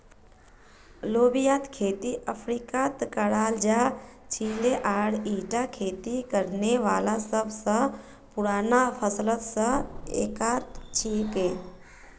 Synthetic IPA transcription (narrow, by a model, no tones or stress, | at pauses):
loːbijaːt̪kʰeːt̪iʔəpʰɾiːkat̪kəɽaːld͡ʒaːt͡ʃʰiːleʔaːɽiːʈakʰeːt̪ikəɾneʋaːlasəbsə̃ | pʊɾaːnapʰəslət̪sə̃ḛːkaːɾt̪t͡ʃʰiːpɦeː